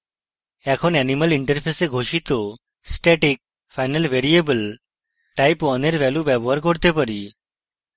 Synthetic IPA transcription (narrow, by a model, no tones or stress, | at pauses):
ɛkʰonɛniməliɳʈəɾpʰeseɡʱoʃit̪o | sʈɛʈik̚ | fʰajnəlbeɾiebəl | ʈajpɔneɾbɛlubɛboɦaɾkoɾt̪epaɾi